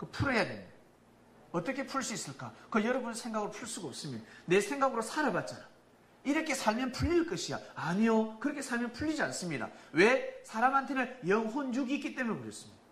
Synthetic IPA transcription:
kɯpʰuɾʌjademid | ʌt͈ʌkʰe̞pʰuɭs͈uis͈ɯɭk͈akɯjʌɾʌbunsʰeŋɡaɡɯɾopʰuɭs͈uɡaːp̚s͈ɯmɲidne̞sʰe̞ŋɡaɡɯɾosʰaɾabat̚t͡ɕ͈ana | iɾʌkʰe̞sʰaɭmjʌnpʰuʎːiɭk͈ʌɕʰia̰aɲijokɯɾʌkʰe̞sʰaɭmjʌnpʰuʎːid͡ʑians͈ɯmɲida̰we̞sʰaɾamɦantʰe̞nɯnjʌŋɦonjuɡiːk͈it͈e̞munpoɾjʌs͈ɯmɲid̥a

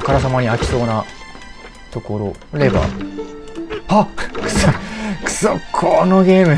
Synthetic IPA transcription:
kaɾas̬amaɲ̟iakʲi̥so̞ːna | t̪o̞ko̞ɾo | ɾe̞ba̰ | aksoksokʰonoɡʲe̞ːmɯ̟

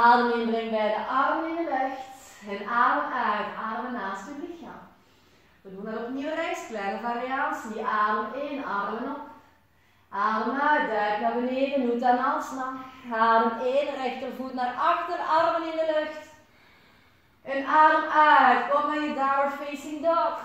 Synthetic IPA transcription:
aːdəmɪnbrɪŋbɛjdəʔɑrmənɪndəløxtənaːdəmœɥtaːləmənaːstəblixa̰ | ʋədundɑtɔpniwərɛsklɛnəvariɑnsidiʔaːləmeːnɑrdəmənɔp | ʔaːləmœɥt̚dœɥknarbəneːdənutanɑlˠsnɑxaːləmeːnrɛxtərvutnarɑxtərdəʔɑrmənɪndəløxt | ənaːdəmœɥtɔpmɛjədawfesɪŋdɔp

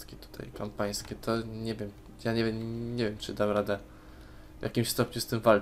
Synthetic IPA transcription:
kʲɛt̪u̥t̪ʰa̰jpampãj̃skʲɛt̪ʰɔɲɛvʲjɛm | jaɲɛvʲmɲɛvʲjɛmt͡ʂɨd̪awɾad̪ɛ | vjʔa̰kʲimɕst̪ɔpɲust̪ɘmval

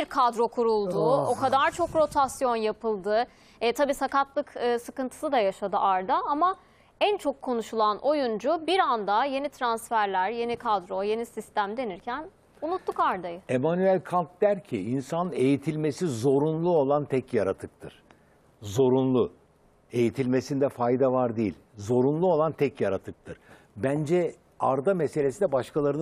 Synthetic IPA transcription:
iɾkʰad̪ɾo̞kʰuɾulˠd̪uo̞kʰad̪aɾt͡ʃʰo̞kɾo̞t̪ʰasjo̞njapʰɯlˠd̪ɯ | ɛt̪ʰabiːsakat̪lˠɯkɯːsɯkɯnt̪ʰɯ̥sɯd̪ajaʃad̪ɯʔaɾd̪aama | ænt͡ʃʰo̞kʰːo̞nuʃulˠanʔo̞jund͡ʒubiɾand̪aje̞nit̪ʰɾansfæɾlʲæɾje̞nikʰad̪ɾo̞je̞nisist̪æmd̪e̞niɾcʰæn | unut̪ːukaɾd̪ajɯe̞manyælʲkʰant̪̚d̪æɾcʰiinsanɯe̞jit̪ʰilʲme̞sizo̞ɾunlˠuo̞lˠant̪ʰɛcjaɾat̪ʰɯk̚t̪ʰɯɾ̥ | zo̞ɾunlˠu | e̞jit̪ʰilʲme̞sind̪ɛfajd̪avaɾd̪ejilʲzo̞ɾunlˠuo̞lˠant̪ʰɛcjaɾat̪ʰɯk̚t̪ʰɯɾ̥ | bænd͡ʒɛ | aɾd̪amese̞lʲesinɛbaʃkalˠaɾɯn

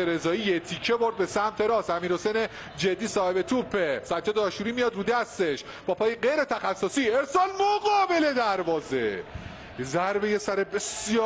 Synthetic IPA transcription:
eɾe̞zɒːiːjet̪ʰicʰe̞bo̞ɾd̪̚be̞sæmt̪ʰeɾɒːsæmiːɾo̞sene | d͡ʒe̞d̪ːiːsɒːhe̞be̞t̪ʰupʰːesæd̪̚d͡ʒɒːd̪eɒːʃuːɾiːmijɒd̪ɾuːd̪æst̪e̞ʃ | b̥ɒːpʰɒːjeɢejɾe̞t̪ʰæxæsːosiːeɾsɒːlmoɡɒːbe̞le̞d̪æɾvɒːze | ezæɾbejesæɾebesjɒː

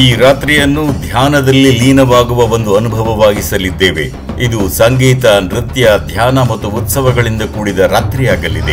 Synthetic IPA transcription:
iːɾaːt̪ɾijɐnːud̪ʱjaːnɐd̪ɐlːiliːnɐʋaːɡuʋɐʋo̞nd̪uɐnubʱɐʋɐʋaːɡisɐlid̪ːe̞ːʋe̞̰ | id̪usɐŋɡiːt̪ɐnɾit̪jɐd̪ʱjaːnɐmɐt̪ːuut̪sɐʋɐɡɐɭind̪ɐkuːɽid̪ɐɾaːt̪ɾijaːɡɐlːid̪e̞

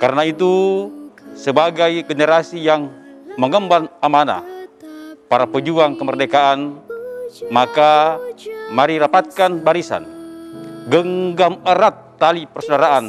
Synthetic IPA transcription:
kaɾənait̪u | səbaɡajɡənəɾasijaŋməŋəmbanamana̰ | paɾapəd͡ʒuaŋkəmərdekaʔan | maka | maɾiɾapat̪̚kanbaɾisa̰n | ɡəŋɡaməɾat̪ːalipərsodaɾaʔan

